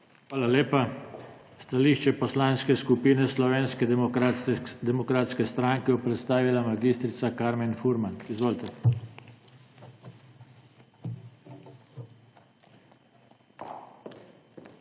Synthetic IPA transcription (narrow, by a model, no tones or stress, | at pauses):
xʋaːlaleːpa | st̪aliʃt͡ʃɛpɔslaːnskɛskupiːnɛslɔʋeːnskɛ | d̪ɛmɔkɾaːt̪skɛst̪ɾaŋkɛɔpɾɛt̪st̪aːʋilamaɡiːst̪ɾit̪sakaɾmɛnfuɾmanizʋoːlt̪ɛ